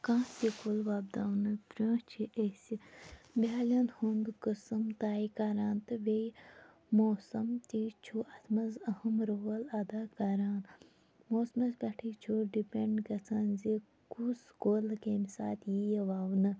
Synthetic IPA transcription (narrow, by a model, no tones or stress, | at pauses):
kãːsikolʋaːb̚d̪aːwnɨpɾʲõːt͡ʃʰiʔesibaːlʲɐnhund̪kəsɐmt̪aːikɐɾaːnt̪ɨʋej | moːsɐmt̪iːt͡ʃʰuʔɐt̪ʰmɐzɐhɐmɾoːlɐd̪aːkɐɾaːn | moːsmɐzbʲɐʈʰiːt͡ʃʰoːɖipeɳɖkɐt͡sʰɐnzi | kuskolkemisa̰ːt̪ʰjijɐʋaːwnɨ